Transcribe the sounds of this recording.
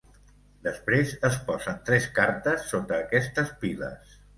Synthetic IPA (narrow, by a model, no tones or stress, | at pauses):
d̪əspɾezəspɔzənt̪ɾɛskaɾt̪əsːot̪əːkɛst̪əspilə̰s